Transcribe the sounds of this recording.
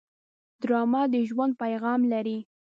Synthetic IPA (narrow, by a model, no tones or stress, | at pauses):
d̪ɾɑmɑd̪əʒwand̪̚pajɣɑmlaɾi